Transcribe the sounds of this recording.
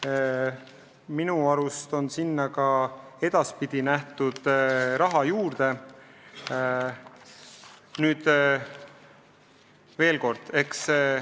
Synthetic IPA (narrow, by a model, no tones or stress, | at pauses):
minuɑɾust̪o̞nsinːɑkɑe̞d̪̥ɑspid̪̥inæht̪ud̪̥ɾɑɦɑjuːɾd̪̥e̞ | nyːd̪̥ | ve̞ːlko̞rd̪̥e̞ks